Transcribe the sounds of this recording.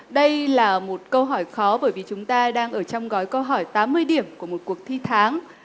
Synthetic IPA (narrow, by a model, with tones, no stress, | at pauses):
ɗə˧jlaː˨˩mo˨˩t̚kə˧wɦɔ˧˩jxɔ˨˦ɓəː˧˩jvi˨˩t͡ɕʊ˨˦ŋ͡mt̪aː˧ɗaː˧ŋʔəː˧˩t͡ɕɔ˧wŋ͡mɣɔ˨˦jkə˧wɦɔ˧˩jt̪aː˨˦mːɨ˧əjɗi˧˩əmku˧˩əmo˨˩t̚ku˨˩ək̚t̪ʰi˧t̪ʰaː˨˦ŋ